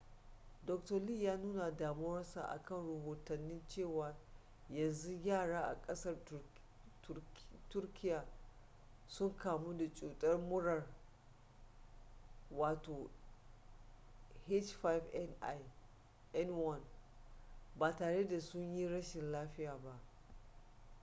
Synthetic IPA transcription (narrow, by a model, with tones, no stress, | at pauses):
dɔ˨k̚tɐ˨li˦˨jaː˦nuː˦na˨daː˨mʊ˦wɔ˦nsa̰˨ʔa̰˨kɐ˦nɽɐ˨hoː˨tɐ˨nːɪ˦nt͡ʃeː˦˨waː˨ | jɐ˨nzu˦ɡʲaː˦˨ɽaː˦ʔa̰˨kʼɐ˦sɐ˦r | tʊ˦rkʲʰɪ˦jaː˨ | sʊ˦ŋkaː˨mu˦da˨t͡ʃʼuː˨tʼɐ˦rmʊ˦ɽɐ˨r | waː˨toː˨ | he˦t͡ʃfa˦jv | ɛ˦nwɔ˦˨n | baː˨taː˨ɽe˦da˨sʊ˦ɲji˦ɽɐ˦ʃɪ˨nlaː˦ɸɪ˦jaː˨ba˦ʔ